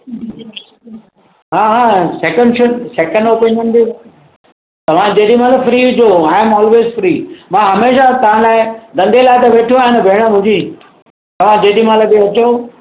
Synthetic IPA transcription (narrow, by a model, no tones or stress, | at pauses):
ɦaːɦaːsɛːkə̃ɳɖʃʊnseːkə̃ɳɖoːpinjənd̪io | t̪ɐʋ̤ãd͡ʑeːɖim̤ãlafɾiːʊd͡ʑoaːɪmɔːlʋeːzfɾiːmãːɦɐmeːʃat̪ɐʋ̤ãlaːɪd̪ɐ̃nd̪ʱelaːɪt̪ɐʋeːʈʰoaːɦɪ̃nɐbʱeːɽ̃ə̆mʊ̃ɲd͡ʑiː | t̪ɐʋ̤ãd͡ʑeːɗimãlabiɐt͡ɕo